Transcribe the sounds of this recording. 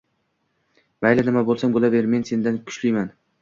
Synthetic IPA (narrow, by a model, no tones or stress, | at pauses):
majlanɪmabolˠsambolaveɾme̞nse̞nd̪ankʰʊ̥t͡ʃlijman